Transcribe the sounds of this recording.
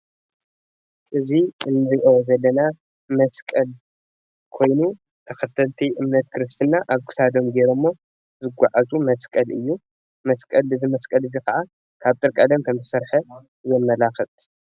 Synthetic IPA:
ʔɨziɨnːɨɾiʔozɐlːɐna | mɐskʼɐl | kʰo̞jnu | t̪ʰɐxɐt̪ʰɐlt̪ʰiʔɨmnɐt̪̚kʰɨɾɨst̪ʰɨnːaʔaβkʰɨ̥sad̪omɡeɾomːo | zɨɡʷaʕazumɐskʼɐlɨjːu | mɐskʼɐlɨzɨmɐskʼɐlɨzikɐʔa | kʰaβt̪ʼɨɾkʼɐd̪ɐmkʰɐmzɨsɐɾħɐ | jɛmːɐlaxɨt̪ʼ

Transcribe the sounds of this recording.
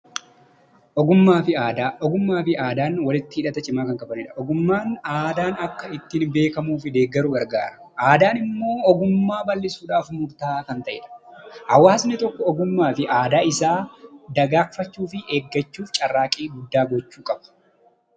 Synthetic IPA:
ʔɔɡʊmːaːfɪaːd̪aːʔɔɡʊmːaːfɪaːd̪aːnwɐlɪt̪ːɪɪːᶑɐt̪ɐt͡ʃʼɪmaːkɐŋkʼɐbɐnɪᶑɐ̥ʔɔɡʊmːaːnaːd̪aːnɐkːɐɪt̪ːɪnbe̞ːkɐmuːfɪd̪e̞ːɡːɐɾʊɡɐɾɡa̰ːɾɐ̥ | ʔaːd̪aːnɪmːo̞ːɔɡʊmːaːbɐlːɪsuːᶑaːfmʊɾt̪aːkɐnt̪ɐʔɪ̰ᶑɐ̥hɐwaːsnɪt̪ɔkːɔɔɡʊmːaːfɪʔaːd̪aːɪsaːd̪ɐɡaːfɐt͡ʃːuːfɪʔeːɡːɐt͡ʃːuːft͡ʃʼɐrːaːkʼiːɡʊd̪ːaːɡɔt͡ʃːuːkʼɐbɐ̥

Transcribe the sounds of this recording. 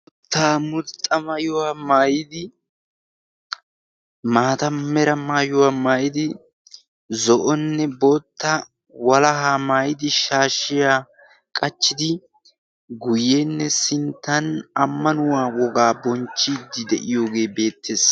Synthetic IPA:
mʊt̪ːaːmʊt̪ʼːɐmajʊwaːmaːjɪd̪ɪ | maːt̪ɐmɛɾɐmaːjʊwaːmaːjɪd̪ɪ | zɔʔɔnːɛboːt̪ːɐ | wɐlɐɦaːmaːjɪd̪ɪʃaːʃɪjaː | kʼɐt͡ʃːɪd̪ɪ | ɡʊjːeːnːɛsɪnt̪ːɐnɐmːɐnʊwaːwɔɡaːbɔnt͡ʃːid̪ːɪd̪ɛʔɪjo̞ːɡe̞ːbe̞ːt̪ːe̞ːs

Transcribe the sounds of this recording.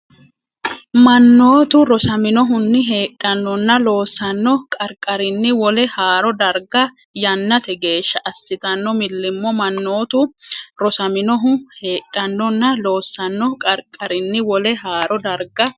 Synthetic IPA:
mɐnːo̞ːt̪ʊɾɔsɐmɪnɔɦʊnːɪɦe̞ːᶑɐnːɔnːɐlo̞ːsːɐnːɔkʼɐɾkʼːɐɾɪnːɪwɔlɛhaːɾɔd̪ɐɾɡɐ | jɐnːɐt̪ɛɡe̞ːʃːɐʔɐsːɪt̪ɐnːɔmɪlːɪmːɔmɐnːo̞ːt̪ʊɾɔsɐmɪnɔɦʊhe̞ːᶑːɐnːɔnːɐlo̞ːsːɐnːɔkʼɐɾkʼːɐɾɪnːɪwɔlɛɦaːɾɔd̪ɐɾɡɐ

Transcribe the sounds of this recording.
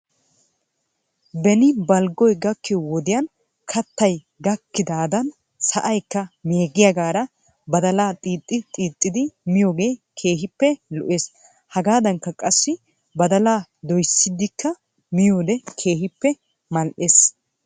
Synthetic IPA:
bɛnɪbɐlɡɔjɡɐkːɪɔwɔd̪ɪjɐn | kʰɐt̪ːɐj | ɡɐkːɪd̪aːd̪ɐn | sɐʔɐjkːɐmeːɡɪjɐɡaːɾɐ | bɐd̪ɐlaːt̪ʼiːt̪ʼːɪt̪ʼiːt̪ʼːɪd̪ɪmɪjoːɡe̞ːkʰe̞ːɦɪpːɛlɔʔeːs | hɐɡaːd̪ɐŋkːɐkʼɐsːɪ | bɐd̪ɐlaːd̪ɔjsːɪd̪ːɪkːɐ | mɪjoːd̪ɛkʰe̞ːɦɪpːɛ | mɐlʔeːs

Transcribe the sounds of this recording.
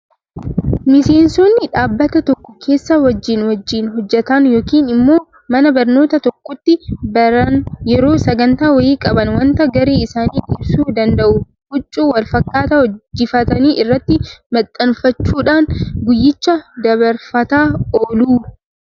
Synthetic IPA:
mɪse̞ːnsoːnːɪᶑaːbːɐt̪ɐt̪ɔkːɔ̥kʰe̞ːsːɐwɐd͡ʒːiːnwɐd͡ʒːiːnɦɔd͡ʒːɛt̪ɐnjo̞ːkiːnɪmːo̞ː | mɐnɐbɐɾno̞ːt̪ɐt̪ɔkːɔt̪ːɪbɐɾɐnjɛɾo̞ːsɐɡɐnt̪aːwɐjiːkʼɐbɐnwɐnt̪ɐɡɐɾe̞ːɪsaːniːᶑɪbsuːd̪ɐnd̪ɐʔʊ | hʊt͡ʃʼːuːwɐlfɐkːaːt̪ɐhɔd͡ʒːɪfɐt̪ɐniːʔɪrːɐt̪ːɪmɐt̪ʼːɐnfɐt͡ʃːuːᶑaːnɡʊjːɪt͡ʃːɐd̪ɐβɐɾfɐt̪aːoːluː

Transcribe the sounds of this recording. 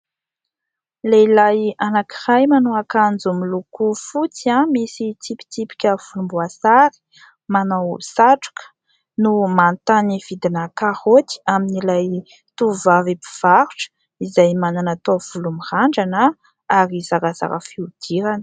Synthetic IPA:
leilajanakirajmanuakand͡zumilukufut͡siamisit̪ipi̥t̪ipi̥kʲəv̥ulumbuasaɾi̥ | manawsaʈ͡ʂu̥kə̥ | numant̪aniv̥id̪inakahot̪i̥aminilaj | t̪uvavipi̥v̥aɾu̥ʈ͡ʂə̥ | izajmananat̪ov̥ulumihaɳɖ͡ʐanə | aɾizaɾəz̥a̰ɾəfiud̪̥iɾanə̥

